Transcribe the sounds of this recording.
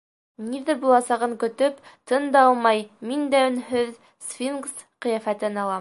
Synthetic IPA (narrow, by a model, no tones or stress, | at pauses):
niðɘbulˠɑsɑʁɤŋkɵ̆t̪ɵpt̪ɤnd̪ɑɑlˠmɑjmind̪æɵ̆nhɵð | sfʲinɡs | qɤ̆jæfæt̪ɘnɑlˠɑ